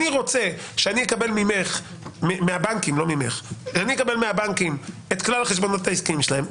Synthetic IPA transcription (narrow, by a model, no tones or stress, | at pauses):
iʁo̞t͡se̞ | ʃeanijekabe̞lmimeχ | memeabaŋkimlo̞mimḛχʃanijekabe̞lmeabankim | et̪klalχeʃbo̞no̞taiskiimʃelaem